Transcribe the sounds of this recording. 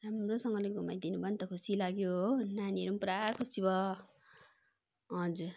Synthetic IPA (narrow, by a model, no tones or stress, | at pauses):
ramrosʌŋɡʌleɡʱumajd̪inubʱʌnt̪ʌkʰusilaɡjonanieɾumpuɾakʰusibʌ | ɦʌd͡zuɾ